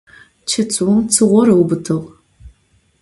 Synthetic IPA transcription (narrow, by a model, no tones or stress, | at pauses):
t͡ʃʰɐt͡sʼwʊmt͡sʰɨʁʷɔɾɐwbɨtʰɨʁ